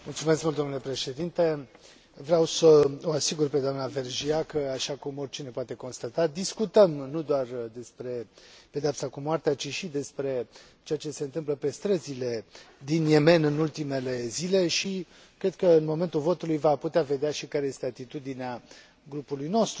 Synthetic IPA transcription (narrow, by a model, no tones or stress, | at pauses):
mult̪sumeskmult̪d̪onule̞pɾe̞ʃe̞d̪int̪e̞ | vɾeawsəoasiɡurped̪oamnave̞rʒiakəaʃakumo̞rʲt͡ʃinepoat̪e̞ko̞nst̪at̪ad̪iskut̪əmnud̪oard̪e̞spɾe̞ped̪eapsakumoart̪eat͡ʃiʃid̪e̞spɾe̞ | t͡ʃeat͡ʃe̞se̞ɨnt̪ɨmpləpe̞st̪ɾəzile̞d̪inje̞me̞nɨnult̪ime̞le̞zile̞ʃi | kɾe̞d̪̚kəɨnmo̞ment̪ulvo̞t̪ulujvaput̪eave̞d̪eaʃikaɾeje̞st̪eat̪it̪ud̪inea | ɡɾupulujno̞st̪ɾu